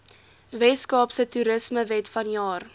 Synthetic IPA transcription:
vɛskɑːpsətuɾəsməvɛtfɐnjɑːr

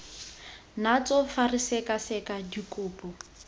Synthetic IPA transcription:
nat͡sɔfarisɛkasɛkadikʼʊːpɔ

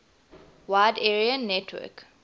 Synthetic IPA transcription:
waɪdɛɹiə̃nːɛtʰwə̰k

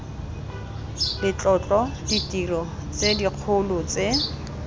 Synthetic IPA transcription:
lɪt͡ɬʼɔt͡ɬʼɔditirɔt͡sediq͡χʰʊlʊt͡se

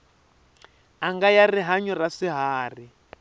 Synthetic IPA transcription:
aŋɡajariɦaɲɔrasiɦaːri

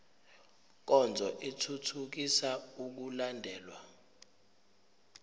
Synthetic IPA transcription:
k̬ɔnd͡zʱɔʔetʰutʰuk̬isauk̬ulandʱɛːlwa̰

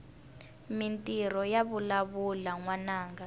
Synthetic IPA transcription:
mintʼiɾɔjaβulaβulaŋwanaːŋɡa

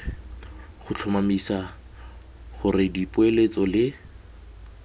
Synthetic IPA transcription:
χʊt͡ɬʰʊmamisa | χʊrɪdipʊelet͡sʼɔlɪ

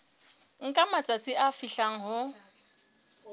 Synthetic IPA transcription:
ŋ̩kʼamat͡sʼat͡sʼɪʔafiɬaŋ̩ɦʊ

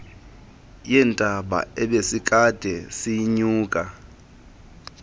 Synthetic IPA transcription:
jɛːntʼaɓa̰ɛɓesikʼad̥ʱɛsiɲuːkʼa

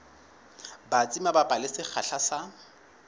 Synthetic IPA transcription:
bat͡sʼimabapʼalɪsɪk͡xʰaɬʰasa

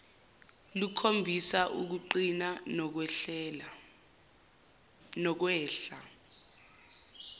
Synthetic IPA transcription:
lukʰombʱisaʔuk̬uǃinan̬l | nɔk̬wɛːɬa

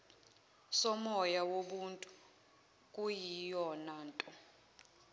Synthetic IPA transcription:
sɔmɔjawoɓuntʼu | kʼujijɔnaːntʼɔ

